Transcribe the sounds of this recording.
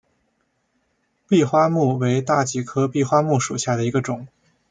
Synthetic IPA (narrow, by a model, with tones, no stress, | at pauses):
pi˥˧xwa˥mu˥˩we˧˥ɪt̪a˥˩t͡ɕi˨˩kʰɤ˥pi˥˩xwa˥mu˥˩ʂu˨˩ɕja˥˩d̪ə˩i˧˥ɡə˧ʈ͡ʂʊ˨˩˦ŋ